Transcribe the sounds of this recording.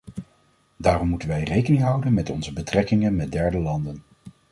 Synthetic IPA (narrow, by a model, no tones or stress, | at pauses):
daːrɔmːutənʋɛjrejkənɪŋɦɑwdənmɛtɔ̰nzəbətrɛkɪŋənmɛd̚dɛɹdəlɑndən